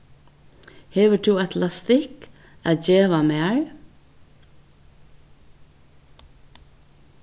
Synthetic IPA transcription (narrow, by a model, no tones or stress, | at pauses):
heʋəʈʰuːæt̪ʰlɑst̪ɪk | ʔæːd͡ʒeːʋɑmeːɹ